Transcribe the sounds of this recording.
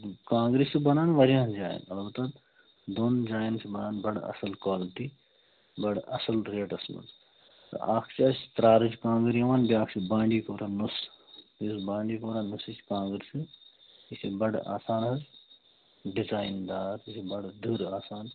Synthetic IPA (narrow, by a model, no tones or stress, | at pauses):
kãːŋɡɾisubɐnaːnʋɐɾijãːnd͡ʒaːj̰nɐlbɐt̪ɐd̪ | d̪oːnd͡ʒaːjnt͡ʃʰibɐnaːnbɐɽɐ̰sɐlkwaːlʈi | bɐɽɐ̰sɐlɾeːʈɐsmɐ̰ʈ | t̪ɐ̰aːkʰt͡ʃʰiɐst̪ɾaːɾɐt͡ʃkãːŋɡɾijɐʋaːnbiaːkʰt͡ʃʰibãːɳɖiːkoːɾanus | bisbãːɳɖiːkoːɾanusit͡ʃʰkãːŋɡɾisi | isibɐɽa̰ːsaːnɦɐz | ɖizaːjnd̪aːɾisʰibɐɽd̪ʱuɾaːsaːn